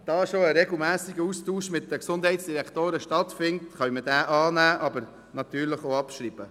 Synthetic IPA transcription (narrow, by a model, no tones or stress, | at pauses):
d̥ɑːʃoəɾɛɡl̩mæːsiɡəustuːʃmɪtdəksʊndɦɛɪtsd̥iɾɛktoːɾəʃtɑtfɪntχœɥmədæːʔɑːnæːʔɑbəɾ | nɑt̪yːɾləχoɑpʃɾiːb̥ə